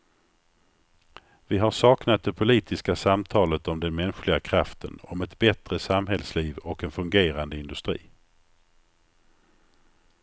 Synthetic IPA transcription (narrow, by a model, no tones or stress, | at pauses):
vɪɦaʂɑːknat̪̚d̪ɛpʰʊliːt̪ʰɪskasamt̪ʰɑːlət̪ɔmd̪ɛnmɛnɧlɪɡakʰɾaft̪ʰənɔmɛt̪bɛt̪ɾəsamɦɛlsliːvɔkɛnfɵŋɡeːɾand̪əɪnd̪ɵst̪ɾḭː